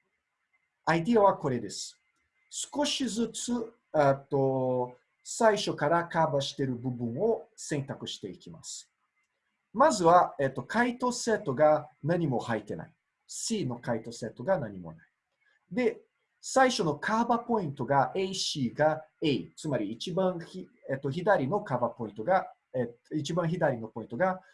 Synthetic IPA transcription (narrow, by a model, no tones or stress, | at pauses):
aid̪iaβako̞ɾe̞d̪e̞sɨ̥ | sɨ̥ko̞ɕizɨt͡sɨ | et̪ːo̞ | saiɕo̞kaɾakaːbaɕi̥t̪e̞ɾɯ̟bɯ̟bɯ̟̃ɰ̃o̞sẽ̞nt̪akɯ̟ɕi̥t̪e̞ikʲima̰sɨ̥ | mazɨβaet̪ːo̞kʰait̪o̞se̞ːt̪ːo̞ɡanaɲ̟imo̞hait̪e̞na̰i | siːno̞kait̪o̞se̞t̪ːo̞ɡanaɲ̟imo̞̰nai̥ | d̪e̞ | saiɕo̞no̞kʰaːbapo̞ĩnt̪o̞ɡaeiɕiːɡaeit͡sɨmaɾʲiːt͡ɕibãɰ̃çiet̪ːo̞çid̪aɾʲino̞kaːbapo̞ĩnt̪o̞ɡa | eit͡ɕibãɰ̃çid̪aɾʲino̞po̞ĩnt̪o̞ɡa